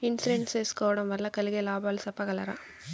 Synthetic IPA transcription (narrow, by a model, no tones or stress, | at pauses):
ɪnsɪɾeɳʈseːskɐːɽɐmʋɐɾlɐkɐlɣelaːbaːlsɐpːɐkɐlɐɾã̰ː